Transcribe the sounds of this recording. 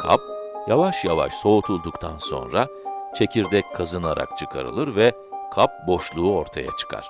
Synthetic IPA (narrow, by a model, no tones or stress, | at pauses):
kʰa̰p̚javaʃjava̰ʃso̞ut̪ʰulˠd̪ukt̪ʰanso̞̰nɾa | t͡ʃʰe̞cʰiɾd̪ɛckʰːazɯnaɾa̰k̚t͡ʃʰɯkʰa̰ɾɯ̰lˠɯɾvɛ | kʰap̚bo̞ʃlˠuːo̞ɾt̪ʰaja̰t͡ʃʰɯ̥kʰa̰ɾ̥